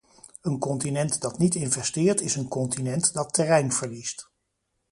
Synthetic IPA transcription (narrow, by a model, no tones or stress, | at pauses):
ənkɔntinɛntdɑtnitɪnvɛstɪːɹtɪsənkɔntinɛntdɑtːɛrɛjnv̥əɹlist